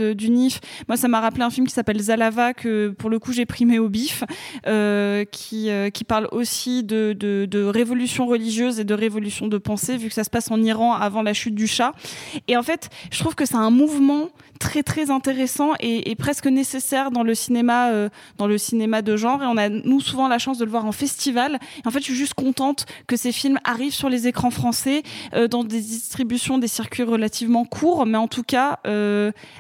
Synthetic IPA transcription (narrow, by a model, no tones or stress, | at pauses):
əd̪ynifmwasamaʁapleɛ̃filmkʲi̥sapɛlzalavakəpuʁləkuʒepχimeobiføkʲʰiøkʲipaʁlosid̪əd̪əd̪əʁevɔlysjɔ̃ʁəliʒjøzed̪əʁevɔlysjɔ̃d̪əpɑ̃sevykə̥sasə̥pasɑ̃niʁɑ̃avɑ̃laʃyt̪̚d̪yʃaeɑ̃fɛt̪ʒə̥t̪χuv̥kəsɛɛ̃muvmɑ̃ | t̪χɛt̪χɛzɛ̃t̪eʁesɑ̃ʔeepχɛskənesesɛʁd̪ɑ̃ləsinemaø | d̪ɑ̃ləsinemad̪əʒɑ̃ʁeɔ̃nanusuvɑ̃laʃɑ̃s̬d̪ələvwaʁɑ̃fɛst̪ivaleɑ̃fɛt̪ʒiʒyst̪̚kɔ̃t̪ɑ̃t̪kəsefilma̰ʁivsyʁlezekχɑ̃fχɑ̃sɛød̪ɑ̃d̪ed̪ist̪χibysjɔ̃d̪esiʁkʲɥiʁəlat̪ʰivmɑ̃kʰuʁmɛɑ̃t̪ʰukaø